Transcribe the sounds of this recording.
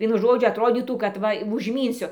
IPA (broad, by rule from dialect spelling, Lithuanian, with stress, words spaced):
ˈʋʲiɛnʊ ˈʒoːd͡ʒʲʊ ɐtˈroːdʲiːtuː kɐt ˈʋɐ ʋʊʒʲˈmʲiːnʲsʲʊ